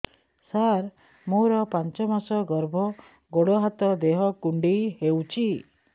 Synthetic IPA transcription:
saɾ | moɾɔpant͡ʃɔmasɔɡɔɾbʱɔ | ɡoɽɔɦat̪ɔd̪eɦɔkuɳɖihewt͡ʃʰi

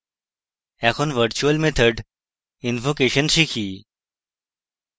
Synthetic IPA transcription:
ɛxʰonʋəɾt͡ʃuəlmet̪ʰəɖ | invokeːɕənʃikʰiː

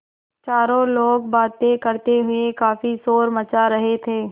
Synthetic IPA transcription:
t͡ʃaːɾõloːɡ̚baːt̪ːẽkɐɾt̪eɦʊekaːfisoːɾmɐt͡ʃaɾɐɦet̪ʰeː

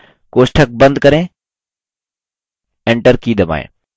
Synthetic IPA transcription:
koːsʈʰək̚bɐ̃nd̪kɐɾẽː | eːɳʈəɾkiːd̪ɐma̰ːḛ̃ː

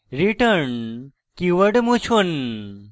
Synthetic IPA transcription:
ɾiʈəɾn | kiʋəɖmũt͡ʃʰun

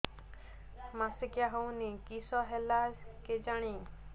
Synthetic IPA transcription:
masikjaɦownikisɔɦelaked͡ʒaɽ̃ĩ

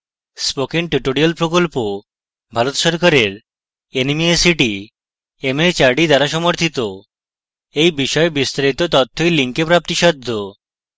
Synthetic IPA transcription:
spokiŋʈuʈoɾialpɾokolpo | bʱaɾot̪ʃɔɾkaɾeɾ | enimiesiʈi | emeɾt͡ɕaɾɖid̪aɾaʃɔmoɾt̪ʰit̪o | ejbiʃɔebist̪aɾit̪ot̪ɔt̪ʰːojliŋkepɾap̚t̪iʃɔd̪ʱːo

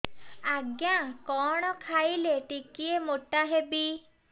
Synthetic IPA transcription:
aɡjãkɔɽ̃ɔkʰajleʈikiemoʈaɦebi

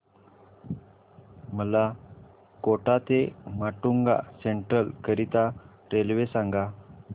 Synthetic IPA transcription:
məla | koʈat̪emaʈuŋɡa̰seɳʈɾəlkəɾit̪a | ɾelʋesãŋɡa

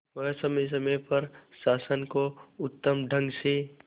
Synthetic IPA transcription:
ʋəɦsəmes̬əmepəɾsaːsənkoʊt̪ːəmɖʱə̃ŋɡse

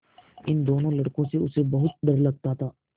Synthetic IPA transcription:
ɪnd̪oːnõlɐɽkõseʊsebɐɦʊt̪̚ɖ̪ɐɾlɐɡ̚t̪at̪ʰaː

